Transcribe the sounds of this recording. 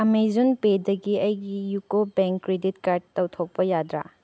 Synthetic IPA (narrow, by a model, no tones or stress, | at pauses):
ɐmejzunpedɐɡiɐjɡijukobeŋkːɾeditkaɾd̚tɐwtʰok̚pɐjadɾa̰